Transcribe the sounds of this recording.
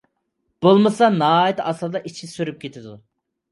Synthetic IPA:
b̥olˠmɨsɑnɑɦɑjit̪ɑslˠɨd̪ɑʔit͡ʃʰisyɾyp̚kʲʰet̪ʰɪd̪u

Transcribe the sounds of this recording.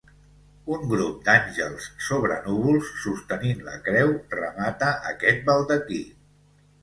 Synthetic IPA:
uŋɡɾup̚d̪anʲʒəlˠsːoβɾənuβ̞ulˠsːust̪əninlə̰kɾɛwrəmat̪əʔəkɛt̪̚bəlˠd̪əki

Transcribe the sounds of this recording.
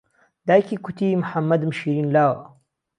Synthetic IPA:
d̪aːjkʰiːkʰʊt̪ʰimʊħamːɐd̪mɨʃiːɾiːnlaːwɐ̰

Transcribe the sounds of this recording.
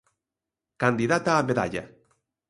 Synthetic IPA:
kand̪iðat̪aːβeða̰ʎa̰

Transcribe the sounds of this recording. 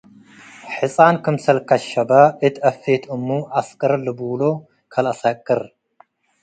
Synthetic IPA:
ħɨsʼankʰɨmsɐlkʰɐʃɐbaʔɨt̪ʰɐfet̪ʰɨmːuʔaskʼɐɾlɨbɨwlo | kʰɐlɐsakʼːɨɾ

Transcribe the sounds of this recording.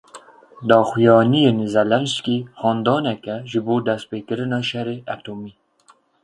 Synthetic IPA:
d̪ɑːxujɑːnijeːnzɛlɛnskiːhɑːnd̪ɑːnɛkɛʒɨboːd̪ɛst̪̚peːkɨɾɨnɑːʃɛɾeːʔɛt̪oːmiː

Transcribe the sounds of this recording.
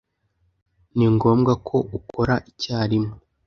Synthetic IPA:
niŋɡo̞ːmɡakʰo̞ʔuko̞ɾaʔicaːɾimo

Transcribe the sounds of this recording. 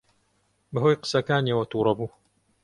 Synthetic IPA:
bɐɦojqə̥sɐkaːniwɐt̪uːɾɐbuː

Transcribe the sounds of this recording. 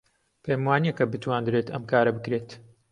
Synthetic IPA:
pʰejmwaːnijekɐbɨt̪ʰwaːnd̪ɾeːt̪ʰɐmkʰaːɾɐbɨkɾeːt̪

